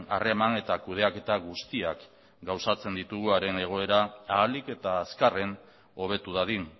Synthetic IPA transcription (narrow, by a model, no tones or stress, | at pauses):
a̰re̞mane̞t̪akuð̞e̞ake̞t̪aɣust̪iak | ɡawsat͡se̞nd̪it̪uɣuaɾe̞ne̞ɣ̞o̞e̞ɾaaːlike̞t̪aːskare̞n | o̞β̞e̞t̪uðaðin